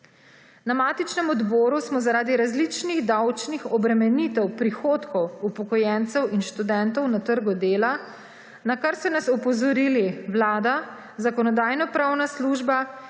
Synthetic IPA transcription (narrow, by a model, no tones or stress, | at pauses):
namaːt̪it͡ʃnɛmɔd̪bɔːɾusmɔzaɾaːd̪iɾazlit͡ʃniɣd̪awt͡ʃnixɔbɾɛmɛnit̪ɛwpɾixoːt̪kɔwupɔkɔjɛnt̪sɛwinʃt̪ud̪ɛnt̪ɔwnat̪əɾɡud̪eːla | nakaɾsɔnasɔpɔzɔɾiliwlaːd̪a | zakɔnɔd̪aːjnɔpɾawnasluːʒba